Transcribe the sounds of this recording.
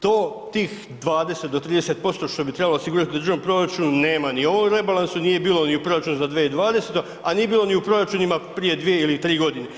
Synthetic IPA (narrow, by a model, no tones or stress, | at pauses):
t̪oːt̪iːx | d̪ʋaːd̪e̞set̪d̪ot̪ɾiːd̪e̞set̪̚po̞st̪o̞ʃt̪obit̪ɾebaloːsiɡuɾat̪id̪d̪ɾr̩ʒanompɾo̞ɾat͡ʃununeːmanio̞ʋomɾe̞balˠansuniːje̞biːlo̞niupɾo̞ɾat͡ʃunuzad̪ʋeid̪ʋaːd̪e̞set̪o | anije̞biːlˠo̞niupɾo̞ɾat͡ʃunimapɾije̞d̪ʋije̞ilit̪ɾiːɡo̞d̪ine